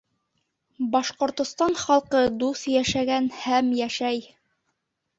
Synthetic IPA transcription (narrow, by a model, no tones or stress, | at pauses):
bɑʃqŏɾt̪ŏst̪ɑnχɑlˠqɤd̪usjæʃæɡænhæmjæʃæj